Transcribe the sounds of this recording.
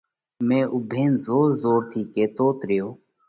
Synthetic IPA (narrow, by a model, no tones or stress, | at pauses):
mẽːʔʊbʱeːnzoːɾzoːɾt̪ʰiːkeːt̪oːt̪ɾɪjoː